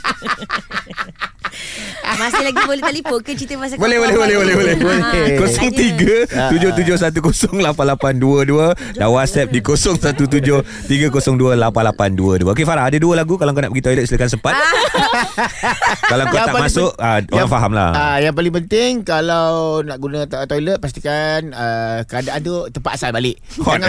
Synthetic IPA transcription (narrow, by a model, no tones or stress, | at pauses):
masɪlaɡibolɛht̪alifʊkət͡ʃit̪əbas̬bolɛhbolɛhbolɛhbolɛhbolɛokosɔŋt̪iɡəud͡ʒʊht̪ud͡ʒʊhs̬at̪̬ukosɔŋlapanlapanduəduə | danwat̪̚sɛp̚dikosɔŋsat̪ut̪̬ud͡ʒʊh | t̪iɡəkosɔŋduəlapanlapanduəduəʔokefaɾaɦadaduəlaɡukalaŋkona̰ʔbəɡit̪oilət̪̚silakansəmpat̪̚ | kalaŋkoak̚masʊʔaaaŋfaɦamla̰ajaŋp̬alɪŋpənt̪ɪŋkalawnaʔɡunə̃t̪ɔilət̪̚past̪i̥kanəkəadaʔadot̪əmpat̪̚asalbalɪʔ | hɔŋa